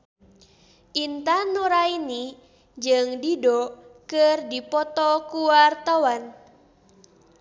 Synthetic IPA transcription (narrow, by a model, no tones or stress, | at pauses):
ʔint̪anuɾaini | d͡ʒɨŋdidɔkɨrdipɔt̪ɔkuwart̪awan